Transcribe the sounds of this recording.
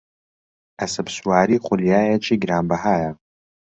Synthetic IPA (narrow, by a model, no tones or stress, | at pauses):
ɐsɐpswaːɾiːχʷʊljaːjɐt͡ʃʰʼiːɡɾaːmbɐhaːja